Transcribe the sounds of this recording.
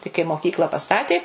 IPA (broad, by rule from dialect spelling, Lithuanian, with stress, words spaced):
tɐɪ kɐɪ moːˈkʲiːklˠɐ pɐˈstɑːtʲeː